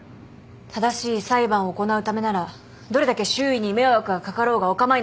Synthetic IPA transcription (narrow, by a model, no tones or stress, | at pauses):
t̪ʰad̪aɕiːsaibãɰ̃oːko̞naɯ̟t̪ame̞naɾa | d̪o̞ɾe̞d̪ake̞ɕɨːiɲ̟ime̞oβakɯ̟ɡakakaɾo̞ːɡaokamai